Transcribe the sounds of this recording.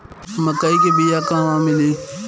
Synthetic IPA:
mɐkaikebijakãʋãːmɪlẽ

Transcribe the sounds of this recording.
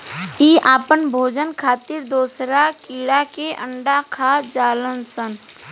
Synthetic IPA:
iːʔaːpənbʱoːd͡ʒənkʰaːt̪iɾd̪oːsɾakiːɽakeʔəɳɖakʰaːd͡ʒaːlənsən

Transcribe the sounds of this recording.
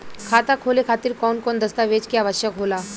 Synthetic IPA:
kʰat̪akʰolekʰat̪iːɾkɔnkɔnd̪əst̪aʋet͡ɕkiaʋəɕjəkɦola

